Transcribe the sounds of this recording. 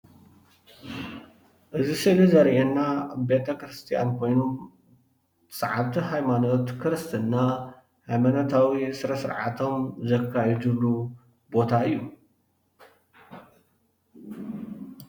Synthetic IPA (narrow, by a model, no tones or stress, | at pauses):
ʔɨzisɨlizɐɾʔenːabe̞t̪ʰɐkɾɨst̪ʰija̰nkʰo̞jno | sʼɐʕaβt̪ʰiɦajmanot̪kʰɨɾɨst̪ʰɨnːa | hajmanot̪ʰawisɨɾɐsɨ̰ɾʕa̰t̪ʰo̞mzɐkʰːajid͡ʒɨβlu | bo̞t̪ʰaɨjːu